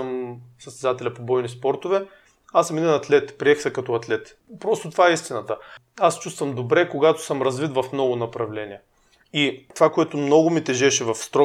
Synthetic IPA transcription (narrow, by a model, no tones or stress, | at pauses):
msəst̪ɛd̪at̪ɛlʲɐpobɔjnispɔɾt̪ʊvɛ | asɐmid̪ɛnɐt̪lɛt̪pɾiɛxsɛkɐt̪ɔɐt̪lɛt̪ | pɾɔst̪ʊt̪ovaɛist̪inɐt̪əast͡ʃust̪vɐmd̪obɾɛkoɡat̪ʊ̥sɤmɾɐzvit̪vɐfmnɔɡʊnɐpɾɐvlɛniɛ | it̪ovakoɛt̪ʊmnɔɡʊmit̪ɛʒɛʃɛvɐfst̪ɾɔ